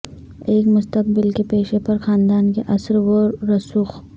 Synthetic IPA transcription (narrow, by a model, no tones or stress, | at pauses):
eːkmʊst̪ək̚bɪlkepeːʃepɐɾxaːnd̪aːnkeʔɐsɾʋoːɐsuːx